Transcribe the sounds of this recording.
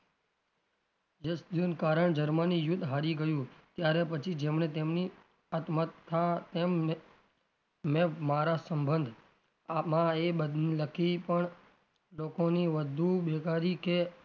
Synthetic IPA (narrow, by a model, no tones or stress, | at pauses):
jesd̪juːnkaːɾəɳd͡ʒəɾmanijʊd̪ɦaːɾiɡəjũːt̪jaːɾepət͡ʃʰid͡ʒeːmɳet̪eːmni | ət̪mət̪ʰːat̪eːm | ẽmaːɾaːsəmbənd̪ʱ | mãeɓəd̪ləkʰipəɳ | loːkoniːʋəd̪ʱuːɓeːkaːɾiːkeː